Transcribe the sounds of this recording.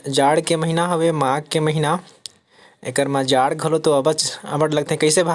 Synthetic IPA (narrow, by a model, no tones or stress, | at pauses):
d͡ʒaːɽkeməɦinaɦəʋemãɡ̚keməɦina | ḛkəɾmãd͡ʒaɽɡʱəlot̪oəbət͡ʃəbəʈləɡ̚t̪eɦkəɪsebʱa